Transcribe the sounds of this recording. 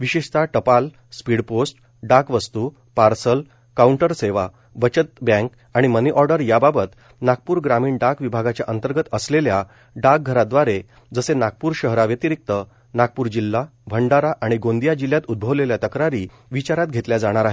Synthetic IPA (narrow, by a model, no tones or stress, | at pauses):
ʋiɕeʂt̪ʰaʈəpal | spiɽposʈ | ɖakʋəst̪u | paɾsəl | kauɳʈəɾseʋa | bət͡ɕət̪̚bɛ̃ŋk | aɽ̃iməniʔɔɾɖəɾjababət̪ | nak̚puːɾɡɾamiːɳɖakʋibʱaɡat͡ɕjaʔənt̪əɾɡət̪əslelja | ɖak̚ɡʱəɾad̪ʋaɾe | d͡zəsenak̚puːɾɕəɦɾaʋjət̪iɾik̚t̪ə | nak̚puːɾd͡ʑilːabʱəɳɖaɾaʔaɽ̃iɡõnd̪ijad͡ʑiljat̪ud̪̚bʱəʋleljat̪əkɾaɾiː | ʋit͡ɕaɾat̪̚ɡʱet̪ljad͡zaɽ̃aɾaɦe